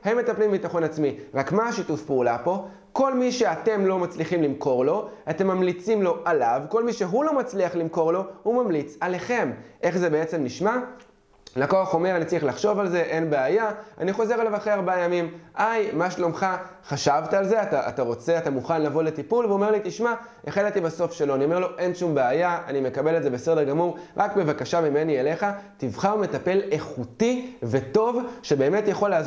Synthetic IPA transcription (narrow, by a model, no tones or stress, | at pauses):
hemːe̞t̪aplimbit̪aχo̞nat͡smiʁakmaːʃitufpeulapo̞ | ko̞lmiʃe̞at̪e̞mlo̞mat͡sliχimlimko̞ʁlo̞ate̞mːamlit͡simlo̞ʔalavko̞lmiʃe̞ɦulo̞mat͡sliaχlimko̞ʁlo̞humamlit͡sale̞χe̞mʔe̞χze̞be̞e̞t͡se̞mniʃma | lakoaχo̞me̞ʁanit͡saiχlaχʃo̞valze̞ʔe̞nbeajaa̰niχo̞ze̞ʁalavaχʁejaʁbajamimʔajmaʃlomχaχaʃavt̪aalzeat̪aʔa̰taʁo̞t͡se̞atamuχanlavo̞le̞tipulveome̞ʁlit̪iʃma | eχelat̪ibaso̞fʃe̞lo̞aniome̞ʁlo̞ʔe̞nʃumbeajaanime̞kabe̞letze̞bese̞deʁɡamuʁʁʔakbe̞vakaʃamime̞niele̞χativχaʁume̞tape̞le̞χutive̞to̞vʃe̞be̞ːme̞tjaχo̞laːz